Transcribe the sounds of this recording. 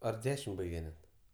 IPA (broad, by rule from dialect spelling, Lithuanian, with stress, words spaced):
ɐr ˈdʲæːʃʲɪm ˈbɐɪɡʲɛ nʲɛt